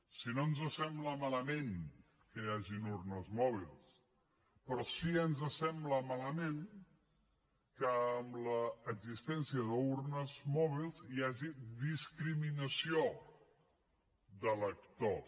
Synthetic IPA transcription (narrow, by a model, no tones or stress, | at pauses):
sinonzəsɛmbləmaləmen | kəjaʒinuɾnəzmɔβ̞ḭlˠs | pɾɔsiənzəsɛmbləmaləmen | kəːmləːɡzist̪ɛnsiəðəuɾnəzmɔβ̞ilˠzijaʒiðiskɾiminəsio | ðələkt̪o